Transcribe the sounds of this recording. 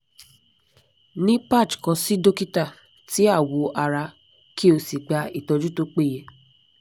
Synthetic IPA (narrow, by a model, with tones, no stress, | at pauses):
nĩ˦pa˦˨t͡ʃkã˧si˦do˦ki˦ta˦˨ | ti˨˦a˦˨wo˨˦ʔa˧ɾa˧ | ki˦o˧si˨ɡ͡ba˧˦i˦˨tɔ˧d͡ʒu˦to˦k͡pe˦˨je˧